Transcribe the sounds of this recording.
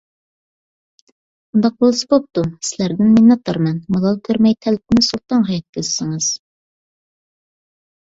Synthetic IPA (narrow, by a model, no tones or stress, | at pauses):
und̪ɑq̚bolˠsɨ̥bop̚t̪usɪlæɾd̪ɪnminːɑt̪ʰːɑɾmɛnmɑlˠɑlˠkʲʰøɾmɛjt̪ʰɛlɪp̚ʰɪnɪsulˠt̪ɑnɦɑjɛt̪̚kʲʰezsɪŋɨz̥